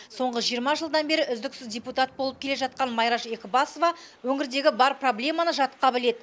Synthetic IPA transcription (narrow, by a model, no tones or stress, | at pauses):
so̞ɴʁəʒijəɾmɑʒəlˠd̪ɑnbe̞ɾɪʔʏzd̪ɪksɪzdʲe̞put̪ɑt̪̚bo̞lˠəp̚kʲʰe̞le̞ʒɑt̪̚qɑnmɑjɾɑʃe̞kʲɪbɑsovɑ | wɵŋɪɾd̪e̞ɡʲɪbɑɾproblʲe̞mɑnəʒɑt̪əqːɑbɪle̞d̪ɪ